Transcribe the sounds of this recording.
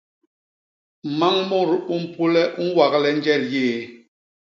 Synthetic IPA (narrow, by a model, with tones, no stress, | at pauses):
ma˦ŋmu˦˨ɾu˦m̩˦pu˦lɛ˦ʔu˦wa˨klɛ˦n˦d͡ʒɛ˦˨ɾjeː˦˨